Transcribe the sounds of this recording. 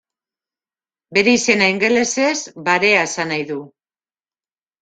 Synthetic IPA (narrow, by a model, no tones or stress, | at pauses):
be̞ɾe̞ise̞naiŋɡe̞le̞se̞zbaɾe̞aesanajðu